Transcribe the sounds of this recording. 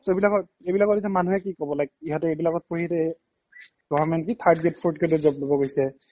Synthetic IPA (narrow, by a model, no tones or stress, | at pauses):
tobilakɔt | ejbilakɔtitamanuɛkikɔbɔlajk̚iɦatʊejbilakɔt̚poɹitɛ | ɡɔvamɛntkitʰaɹdɡetpʰuɹdkedozɔplobɔɡojsɛ